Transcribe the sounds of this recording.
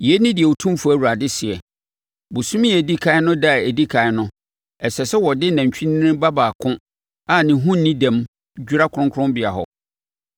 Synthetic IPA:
jɛ˦nɪ̃˦dɪ˨ɛ˨wu˨tʰũ˦m˦fu˨˦æ˨wu˨ɾa˨dɪ˦sɪ˨ɛ˨ | bʊ˨sũ˦mĩ˦e˨di˦kʰa˦ɪ˦nʊ̃˦da˦˨e˨di˦kʰa˨ɪ˦nʊ̃˦ | ɛ˨sɛ˨sɛ˦wɔ˨dɪ˦nã˨ɲ˨t͡ɕᶣi˦n˦ɪ̃˦ba˦baː˨kʰʊ̃˦ | a˨nɪ̃˨ɦũ˦n˨nĩ˦dã˨m | d͡ʑᶣu˦ɾa˦kʰʊ˨ɾʊ̃˦ŋkʰʊ˦ɾʊ̃˦mbɪ˨a˨ɦɔ̰˨

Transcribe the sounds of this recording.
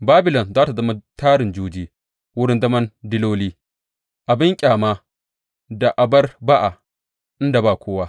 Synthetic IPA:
baː˦bɪ˨lɔ˨nzaː˦ta˨zɐ˦ma˦taː˦ɾɪ˨nd͡ʒuː˦d͡ʒiː˦ | wʊ˦ɽɪ˦nzɐ˦mɐ˦ndɪ˦loː˦liː˦ | ʔa˨bɪ˦ŋkʲʼaː˨maː˦ | da˨ʔa˨bɐ˦rba˦ʔa˨ | ʔɪ˦nda˨baː˨kʷoː˦waː˦

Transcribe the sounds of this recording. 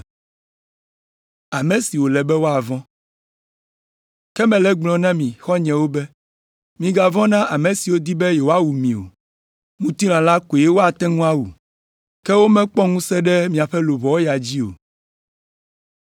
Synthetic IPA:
a˨mɛ̃˨si˨wo˨lɛ˨bɛ˦wo˦a˨vɔ̃˦ | kɛ˦mɛ̃˨lɛ˦ɡ͡blɔ̃˨nã˦mĩ˨xɔ˦ɲɛ̃˨wo˦bɛ˦ | mĩ˨ɡa˨vɔ̃˦nã˦ʔa˨mɛ̃˨si˨wo˦d̪i˦bɛ˦je˨wo˦a˦wu˨mĩ˨o̰˨ | mũ˦t̪i˦l̃ã˨la˦ko˨jɛ˦wo˦a˨t̪ɛ̃˦ŋũ˦a˦wu˨ | kɛ˦wo˦mɛ̃˦k͡pɔ˦ŋũ˦sɛ˦ɖɛ˦mĩ˨a˨ɸɛ˦lo˨βɔ˨wo˦ja˨d͡ʑi˦o̰˨

